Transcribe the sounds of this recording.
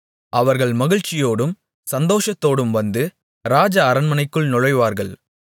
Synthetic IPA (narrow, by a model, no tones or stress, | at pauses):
ʔɐʋɐɾɣɐɭmɐɣɪɻt͡ʃːɪjoːɽɯm | sɐnd̪oːʂɐt̪ːoːɽɯmʋɐnd̪ɯ | ɾaːd͡ʒɐːɾɐnmɐnɐɪkːɯɭnʊɻɐɪʋaːɾɣɐɭ